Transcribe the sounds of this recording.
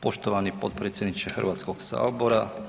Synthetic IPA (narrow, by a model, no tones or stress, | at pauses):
po̞ʃt̪oʋanipo̞t̪pɾet̪sʲjed̪nit͡ʃexr̩ʋaːt̪skoɡsa̰ːboɾa